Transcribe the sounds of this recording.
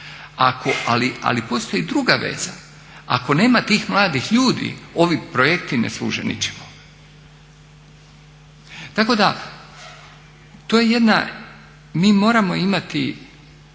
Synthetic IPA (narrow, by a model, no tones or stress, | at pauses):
akoʔalia̰lipo̞ːst̪o̞jid̪ɾuɡaʋe̞̰za̰ | a̰ko̞ne̞ːmat̪iːxmlˠaːd̪ixʎuːd̪ḭo̞ʋipɾojekt̪inḛslˠṵːʒḛnḭt͡ɕe̥mo | t̪ako̞d̪a | t̪oje̞je̞d̪na̰ | miːmo̞ːɾamo̞imat̪ḭ